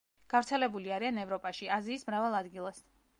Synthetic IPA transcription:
ɡ̥avɾt̪sʰɛlɛbuliaɾianɛvɾɔpʼaʃiaziːsmɾavalˠad̪ɡilˠas

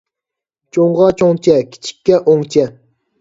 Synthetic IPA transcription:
t͡ʃʰoɴʁɑt͡ʃʰoŋt͡ʃʰɛkʲʰi̥t͡ʃʰi̥kʲːɛʔoŋt͡ʃʰɛ

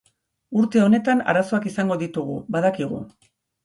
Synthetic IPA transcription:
uɾt̪e̞o̞ne̞t̪ana̰ɾaso̞akisaŋɡo̞ðit̪uɣ̞ṵbaðakiɣṵ

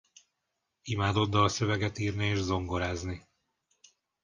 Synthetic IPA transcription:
imaːd̪o̞d̪ːɒɒsø̞vɛɡɛt̪iːrnieːʒzo̞ŋɡo̞ɾaːzni

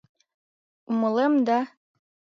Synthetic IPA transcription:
umɤ̆lemd̪ɑ

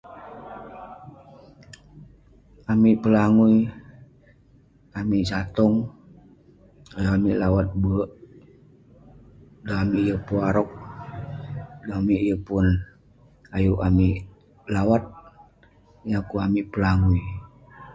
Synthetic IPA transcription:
amipəlaŋui | amiʔsat̪ɔŋ | ajuamiʔlawat̪̚bəʔ | daamijəpuaɾɔk̚ | doamiʔjəpun | ajuʔamiʔ | lawat̪̚ | jakuamiʔpəlaŋui

